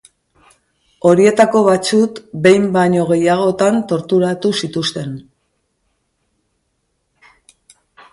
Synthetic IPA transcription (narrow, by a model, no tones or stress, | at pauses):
o̞ɾie̞t̪ako̞β̞at͡sukbe̞jmbaɲo̞ɣ̞e̞jaɣ̞o̞t̪ant̪o̞ɾt̪uɾat̪usit̪ust̪e̞n